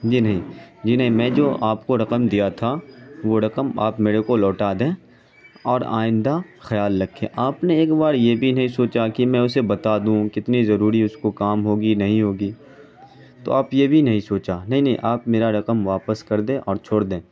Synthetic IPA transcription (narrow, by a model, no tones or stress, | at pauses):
d͡ʒiːnɐɦĩd͡ʒiːnɐɦĩmɛ̃ːd͡ʒoːʔaːpkoɾɐqəmd̪ijat̪ʰaʋoɾɐqəmaːpmeːɾekolɔːʈad̪ẽː | ɔːɾa̰ːɪ̃nd̪axɐjaːlːɐkʰːḛ̃ːʔaːpneeːkbaːɾjebʱinɐɦĩsoːt͡ʃakimɛ̃ʊsebɐt̪ad̪ũkɪt̪nizɐɾuːɾiʊskokaːmɦoːɡinɐɦĩɦoːɡiː | t̪o̰aːpjebʱinɐɦĩsoːt͡ʃanɐɦĩnɐɦĩʔaːpmeːɾaɾɐqəmʋaːpəskɐɾd̪ẽːʔɔːɾt͡ʃʰoːɽd̪ẽː